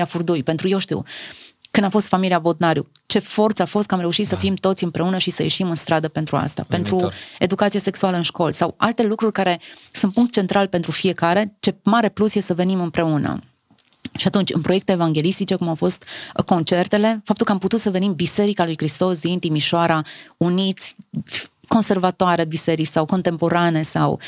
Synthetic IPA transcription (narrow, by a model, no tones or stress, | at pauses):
afurd̪ujpent̪ɾuje̞wʃt̪ḭwkɨnd̪afo̞st̪familiabo̞d̪naɾjṵt͡ʃe̞fo̞rt̪səafo̞st̪̚kəamɾe̞uʃit̪səfimt̪o̞t̪sʲɨmpɾe̞unəʃisəje̞̰ʃimɨnst̪ɾad̪əpent̪ɾua̰st̪a̰pe̞nt̪ɾue̞̰d̪ukat̪siase̞ksualəɨnʃko̞lsawa̰lt̪e̞lukɾurʲkaɾe̞sunt̪̚puŋk̚t̪̚t͡ʃe̞nt̪ɾalpe̞nt̪ɾufie̞kaɾe̞t͡ʃe̞maɾe̞plusje̞səve̞nimɨmpɾe̞unə̰ | ʃiat̪unt͡ʃʲɨ̰npɾoekt̪eːvaŋɡʲe̞list̪it͡ʃe̞kumawfo̞st̪ko̞nt͡ʃe̞rt̪e̞le̞fap̚t̪ulkəamput̪ut̪səve̞nimbise̞ɾikalujkɾist̪o̞s̬d̪int̪imiʃoaɾaunit̪sʲ | ko̞nse̞rvat̪oaɾe̞bise̞ɾit͡ʃʲsawko̞nt̪e̞mpo̞ɾane̞sa̰w